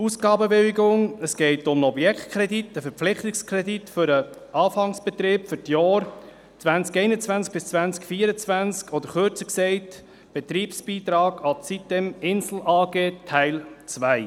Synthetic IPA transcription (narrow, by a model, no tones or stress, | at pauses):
usɡɑːbəbɪwɪɡʊŋəsɡ̥ɛɪtʊmnɔbjɛktkʰɾɛditəfəɾpp͡flɪχt̪ɪkskʰɾɛd̪itfʏɾəʔɑːfɑŋsb̥ɛt̪ɾɪːpfʏɾtjɑːɾ | t͡svænt͡skɛɪnət͡svænsk̚b̥ɪst͡svænt͡skfiːɾət͡svænt͡skʰɔd̪əɾχøɾt͡səksɛɪt | b̥ɛt̪ɾiːpsb̥iːt̪ɾɑːɡɑt͡sit̚dɛmɪnsl̩ɑːɡeːtʰæɪlt͡sʋæɪ